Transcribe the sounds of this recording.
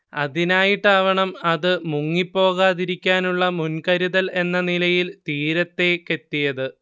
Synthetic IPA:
ɐ̰ðinaːjiʈːaːʋɐɳɐmɐðɨmuŋːipːo̞ːɣaːðiɾikʲːaːnuɭːɐmunkɐɾiðɐle̞nːɐnilɐjilt̪iːɾɐt̪ːe̞ke̞t̪ːijɐðɨ

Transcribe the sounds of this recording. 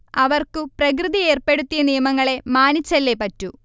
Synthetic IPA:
ɐʋɐrkɨprɐk̬rɨðije̞ːrpe̞ɽut̪ːijɐnijɐmɐŋːɐɭe̞maːnit͡ɕːɐlːepɐtːu

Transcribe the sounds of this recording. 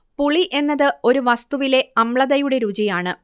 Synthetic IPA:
puɭiʔe̞nːɐðɨo̞ɾuʋɐst̪uʋile̞ɐmɭɐðɐjuɽe̞ɾud͡ʑijaːɳɨ

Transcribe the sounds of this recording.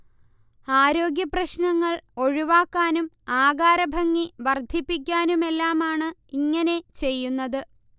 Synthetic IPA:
aːɾo̞ːɡjɐprɐɕnɐŋːɐɭo̞ɻiʋaːkːaːnum | aːɡaːɾɐbʱɐŋːiʋɐrd̪ʱipːik̬ʲːaːnume̞lːaːmaːɳɨiŋːɐne̞t͡ɕe̞jːunːɐðɨ

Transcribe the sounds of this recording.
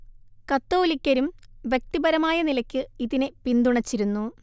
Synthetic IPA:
kɐt̪ːo̞ːlikʲːɐɾumʋjek̚t̪ibɐɾɐmaːjɐnilɐkʲːɨiðinepind̪uɳɐt͡ɕːiɾunːu

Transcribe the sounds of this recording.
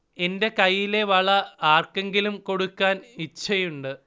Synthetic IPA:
e̞nde̞kɐjːile̞ʋɐɭɐaːrke̞ŋɡilumko̞ɽukːaːnit͡ɕːɐjuɳɖɨ

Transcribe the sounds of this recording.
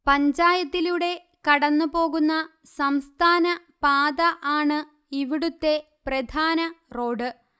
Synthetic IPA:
pɐɲd͡ʑaːjɐt̪ːiluɽe̞ | kɐɽɐnːupo̞ːɣunːɐ | sɐmst̪ʰaːnɐ | paːd̪ɐʔaːɳɨ | iʋiɽut̪ːe̞ | prɐd̪ʱaːnɐro̞ːɖɨ

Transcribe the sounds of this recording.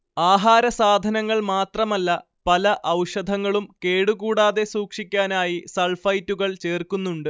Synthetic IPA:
aːɦaːɾɐsaːd̪ʱɐnɐŋːɐɭmaːt̪rɐmɐlːɐ | pɐlɐʔɐwʂɐd̪ʱɐŋːɐɭumke̞ːɽuɣuːɽaːðe̞suːkʂikʲːaːnaːjisɐɭfɐjtːuɣɐɭt͡ɕeːrkunːuɳɖɨ

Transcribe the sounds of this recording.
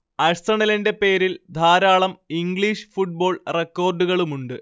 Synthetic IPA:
ɐst̪rɐɳɐlɐnde̞pe̞ːɾild̪ʱaːɾaːɭɐmiŋɡɭiːʂɨ̥fuʈ̚bo̞ːɭrekːo̞ːrɖuɣɐɭumuɳɖɨ

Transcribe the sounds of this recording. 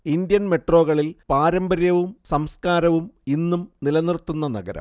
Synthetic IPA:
ind̪jɐnme̞ʈro̞ːɣɐɭilpaːɾɐmbɐɾjɐʋumsɐmskaːɾɐʋuminːumnilɐnirt̪ːunːɐnɐ̰ɡɐɾɐ̰mm

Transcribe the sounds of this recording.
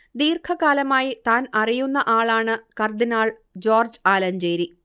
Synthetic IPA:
d̪iːrkʰɐkaːlɐmaːjit̪aːnɐrijunːɐʔaːɭaːɳɨkɐrd̪inaːɭ | d͡ʑo̞ːrd͡ʑɨaːlɐnd͡ʑeːɾi

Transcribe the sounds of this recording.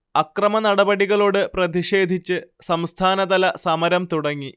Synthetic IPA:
ɐkrɐmɐnɐɽɐbɐɽiɣɐɭoːɽɨprɐðiʂe̞ːd̪ʱit͡ɕːɨsɐmst̪ʰaːnɐðɐlɐsɐmɐɾɐmt̪uɽɐŋːi

